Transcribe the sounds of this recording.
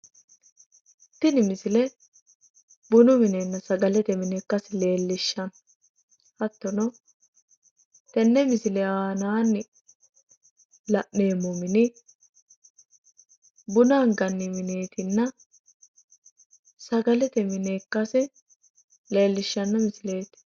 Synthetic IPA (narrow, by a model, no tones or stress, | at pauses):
t̪ːɪnɪmɪsɪlɛ | bʊnʊmɪneːnːɐsɐɡɐlɛt̪ɛmɪneːkːɐsɪle̞ːlːɪʃːɐn | hɐt̪ːɔnɔ | t̪ɛnːɛmɪsɪlɛaaːnaːnːɪ | lɐʔneːmʊmɪnɪ | bʊnaːŋɡɐnːɪmɪne̞ːt̪ɪnːɐ | sɐɡɐlɛt̪ɛmɪneːkːɐsɪ | le̞ːlːɪʃːɐnːɐmɪsɪle̞ːt̪